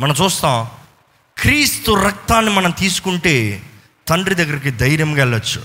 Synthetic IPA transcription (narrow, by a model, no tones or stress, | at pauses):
mɐnɐmt͡ʃuːst̪aː | kɾiːst̪uɾɐk̚t̪aːnːimɐnɐmt̪iːsu̥kuɳʈeː | t̪ɐɳɖɾid̪ɐɡːɐɾik̬id̪ɐjɾjɐmɡɛɭːɐt͡ʃːu